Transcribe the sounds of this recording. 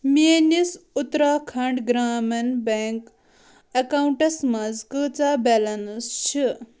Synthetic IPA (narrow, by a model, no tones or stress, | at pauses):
minisut̪ɾakʰɐɳɖɡɾaːmɐnbeŋk | ɐkawɳʈɐsmɐd͡zkət͡sabɛlɐnst͡ʃʰi